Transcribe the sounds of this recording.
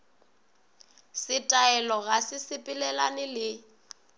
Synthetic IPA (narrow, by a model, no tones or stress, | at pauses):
sɪtʼaɛlɔɣasɪsɪpʼɪlɛlanɪlɪ